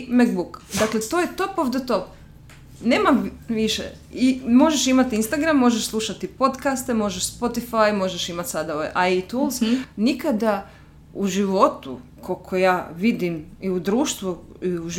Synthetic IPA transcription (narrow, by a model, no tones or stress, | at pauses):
mekbukd̪aklet̪ojet̪o̞poʋd̪et̪op | neːmamʋiʃḛ | imo̞ʒeʃimat̪inst̪aɡɾamːo̞ʒeʃslˠuʃat̪ipo̞t̪kast̪e̞mo̞ʒeʃspo̞t̪ifajmo̞ʒeʃimat̪sad̪aoʋa̰jʔajit̪ulznikad̪a | uʒiʋo̞t̪ṵkʰokʰojaːʋid̪imiud̪ɾuːʃt̪ʋu | iuʒ